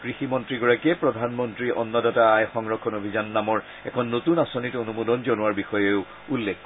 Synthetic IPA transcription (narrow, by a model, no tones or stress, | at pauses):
kɹiximɔntɹiɡɔɹakɛpɹɔdʱanmɔntɹiʔɔ̰nːɔdɔtaːjxɔŋɹɔkʰːɔnobʱizanːamɔɹ | ɛkʰɔnːotunasonitonumodɔnzɔnʊwaɹbixɔjeʊ | ulːekʰː